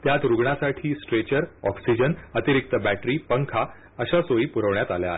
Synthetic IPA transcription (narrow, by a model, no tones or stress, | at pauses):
t̪jat̪ɾuɡɳasaʈʰiːsʈɾet͡ɕəɾɔksid͡ʑənət̪iɾik̚t̪əbæʈɾiːpəŋkʰa | əɕasoiːpuɾəʋɳjat̪aljae